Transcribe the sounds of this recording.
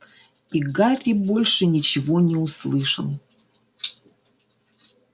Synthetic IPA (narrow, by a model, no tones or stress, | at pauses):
iɡarʲibolʲʂɨnʲit͡ɕɪvonʲɛuslˠɨʂə̰m